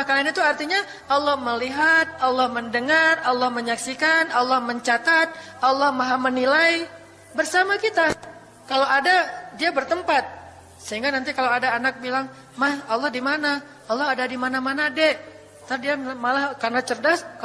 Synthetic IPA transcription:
ahkalanit̪uart̪iɲa | ʔalːɔhməliɦat̪̚alːɔhməndəŋaralːɔhməɲaksikanalːɔhməɲt͡ʃat̪at̪̚alːɔhmaɦamənilai | bərsamakit̪a | kalawadadiabərt̪əmpat̪̚ | səɦiŋɡanant̪ikalawadaːnak̚bilaŋ | mahalːɔhdimana | alːɔɦadadimanamanadɛʔ | t̪adiamalahkarnat͡ʃərdask

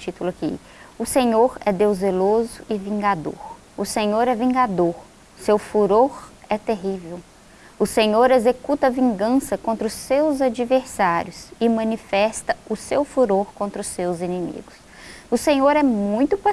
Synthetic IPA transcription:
t͡ʃit̪ulʊɐkḭ | ʊsẽɲoɾɛd̪ewzelozʊɪvĩŋɡad̪o̰ɾ | ʊsẽɲoɾɛvĩɡad̪oɾ | sewfuɾoɾɛt̪eɦivew | ʊsẽɲoɾezekut̪ɐvĩŋɡɐ̃sɐkõnt̪ɾʊsːewzad͡ʒiveɾsaɾjʊsɪmɐ̃nifɛst̪ɐʊsewfuɾoɾkõnt̪ɾʊsːewzĩnĩmḭɡʊs | ʊsẽɲoɾɛmũj̃t̪ʊpa

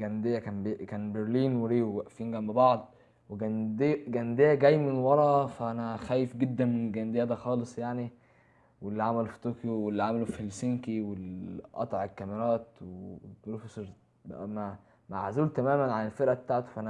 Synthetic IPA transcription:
ɡænd̪ejːækænbekæːnbeɾliːnweɾiːwæʔfiŋɡæmbebɑʕd̪ˤ | weɡænd̪eɡænd̪ejːæɡæjːmenwɑɾˤɑfæʔænæxæːjefɡed̪ːænmenelɡænd̪ejːæd̪æxɑːlesˤjaʕni | welːiʕamælofi̥t̪oːkjowelːiʕamælofelsiŋkiwelʔɑ̰t̪ˤʕelkːæmeɾˤɑːt̪weebɾufeseɾ | mæ | maʕazuːlt̪æmæːmænʕanelfeɾʔæbet̪aːʕt̪o̥fæʔænæ

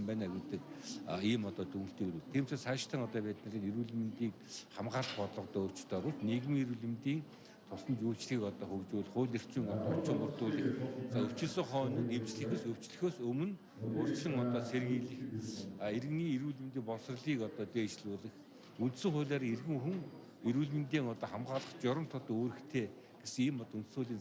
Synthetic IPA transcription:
mpæːnaɡet̪ɘ̆kːiːmɔt̪ɔːt̪uŋɵ̆ɬt̪iːɾuːt̪ʰiːmt͡ɕĕːsaʃt̪ʰə̆ŋɔt̪ɔːpæːt̪nə̆ɮiːneɾuːɮ̆m̆nt̪iːkχamɢaːɮt̪pɔt̪ɮɞ̆qt̪ɔːʊr̥t͡ɕ̆t̪ɔːɾʊːsneɣɘ̆miɾuːɮɘ̆mt̪iːŋ | t̪ʰʊsɞ̆nt͡ɕuːt͡ɕɮɣiːkɔt̪ɔːχɵwt͡ɕʊːɮχʊːɮer̥t͡siːŋɔt̪ːɔt͡ɕɪ̆ŋʊrt̪ʊːɮĭːxt͡saɵw̥t͡ɕɪ̆ɮsɘ̆ŋχɔːn̆emt͡ɕɮɘ̆xeːsɵw̥t͡ɕɮɘ̆xoːsɵmɵ̆n | ʊr̥t͡ɕɮə̆ŋɔt̪ɔːseɾɘ̆ŋiɮɘ̆xaeɾ̆ɣniːiɾuːɮɘ̆mt̪iːŋpɔs̆r̆ɮiːkɔt̪ɔːt̪eːt͡ɕɮʊːɮə̆x | unt̪sɘ̆ŋχʊ̟ːɮʲaːɾierɣɘ̆ŋxuŋ | iɾuːɮmɘ̆nt̪iːŋɔt̪ɔːχamɢaːɮə̆χt͡ɕʊɾə̆mt̪ʰʊt̪oːɾɘ̆xt̪ʰeː | ɡ̥esɘ̆ŋiːmɔt̪unt̪sʊːɮiːn

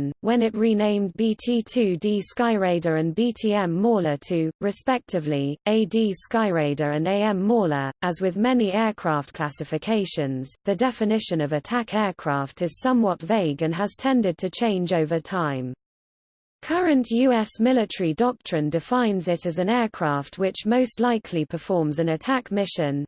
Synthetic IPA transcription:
nwə̃nɪʔɹinẽɪ̃mbiːtʰiːtʰʉːdiːskaɪɹeɪdəɹə̃nbiːtʰiːɛ̃mːɔːlətʰʉːɹɪspɛk̚tʰɪvlieɪdiːskaɪɹeɪdəɹə̃neɪɛ̃mɔːləʔəzwɪðmɛniɛːkʰɹ̥ɑˑftkʰl̥asɪfɪkʰeɪʃə̃nz̥ðədɛfɪnɪʃə̃nəvətʰakʰɛːkʰɹ̥ɑˑftɪz̥sʌ̃mwɒtveɪɡə̃nəz̥tʰɛ̃ndɪd̚tʰət͡ʃʰẽɪ̃nd͡ʒəʊvətʰãɪ̃m | kʰʌɹə̃nʔjʉːɛsmɪlɪtəɹidɒk̚tɹ̥ɪ̃ndɪfãɪ̃nzɪtəzə̃nɛːkʰɹ̥ɑˑftʰwɪt͡ʃməʊstˡlaɪkʰlipʰəfɔːmzə̃nətʰakmɪʃə̃n

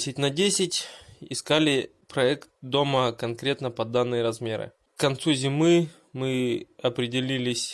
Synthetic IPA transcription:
sʲɪtʲnɐdʲesʲɪtʲɪskalʲɪ | pɾɐɛkt̪̚d̪o̞məkɐnkɾʲe̞t̪nəpɐd̪anːɨjəɾɐzmʲe̞ɾɨ̰ | kkɐnt̪suzʲɪmɨ | mɨɐpɾʲɪdʲɪlʲilʲɪsʲ

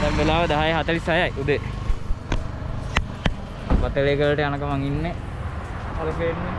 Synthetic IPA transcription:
d̪ɛmbelaːʋəd̪aɦajəɦat̪əlisajajʔud̪e | ʋat̪əleːkəɭːəʈəjanəkəmaŋinːe | aləpeːnːe

